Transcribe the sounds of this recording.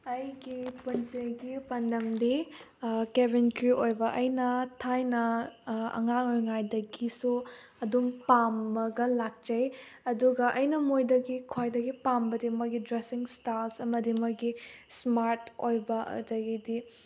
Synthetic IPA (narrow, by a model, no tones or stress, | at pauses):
ɐjɡipunseɡipɐndɐmdi | kebinkɾiojbɐʔɐjnɐtʰajnɐ | ɐ̰ŋaŋojŋajdɐɡisu | ɐdumpamːɐɡɐlak̚t͡ʃɐj | ɐduɡɐʔɐjnɐmojdɐɡikʰojdɐɡipambɐdimɐɡidɾesiŋstalsɐmɐdimɐɡismaɾtojbɐ̰dɐɡidi